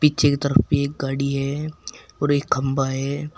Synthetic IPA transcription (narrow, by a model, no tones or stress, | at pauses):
piːt͡ʃʰeket̪ɐɾəfpeeːk̚ɡaːɽiɦɛːɔːɾeːkːɐmbaɦɛː